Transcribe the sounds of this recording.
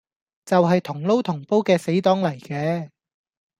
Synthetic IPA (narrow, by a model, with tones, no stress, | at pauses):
t͡sɐ˨wɦɐ˨jt̪ʰʊ˨˩ŋlo˥wt̪ʰʊ˨˩ŋpo˥wkɛː˧se˨˥jt̪ɔː˨˥ŋlɐ˨˩jkɛː˨˧